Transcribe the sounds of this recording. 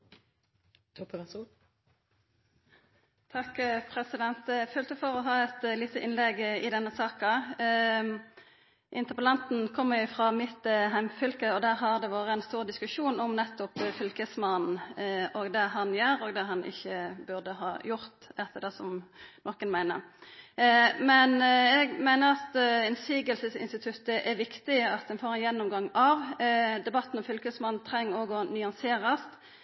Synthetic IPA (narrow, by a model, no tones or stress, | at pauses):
t̪ʰɑkpʰʁɛsɪd̪ɛnt̪føːlt̪ʉfɔʁɔɦɑːɛt̪liːt̪əʔɪnlɛɡɪd̪ɛnːəsɑːkɑ | ʔɪ̰nt̪əʁpəlɑnt̪n̩kʰɔmːəʁjʊfʁɑːmɪt̪ɦæmfʏlkəɔd̪æːʁɦɑʁd̪ɛʋɑːʁəɛnst̪uːʁd̪ɪskʉʃuːnɔmnɛt̪ːʊpfʏlkəsmɑnn̩ʔɔɡd̪ɛɦɑnjøːɾɔɡd̪ɛɦɑnʔɪ̰çːəbʉʁd̪əɦɑ̰ːjʊɾt̪ɛt̪ːəd̪ɛsɔmnɔːkənmæɪnə̰ʁ | mɛnɛɡmæɪnəɾɑt̪ɛnsiːɡəlsəsɪ̰nst̪ɪt̪ʰʉt̪ːəʔɛʋɪkt̪ɪɑt̪̚d̪ɛnfoːɾɛnjɛnːɔmɡɑŋɑʋd̪ɛbɑt̪ːnɔmfʏlkəsmɑnn̩t̪ʰɾɛŋːɔɡɔnʏɑnseːʁəst̪